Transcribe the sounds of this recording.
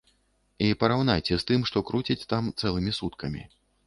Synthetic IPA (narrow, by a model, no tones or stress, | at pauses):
ipɐɾawnajt͡sʲɛst̪ɨmʂt̪ɔkɾut͡sʲit͡sʲt̪amt̪sɛlˠɨmʲisut̪kɐmʲḭ